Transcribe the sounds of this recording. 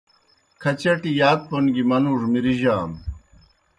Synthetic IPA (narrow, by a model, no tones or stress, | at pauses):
kʰɐt͡ɕɐʈijaːk̪̚pʰonɡimɐnuːʐmiɾiʑaːm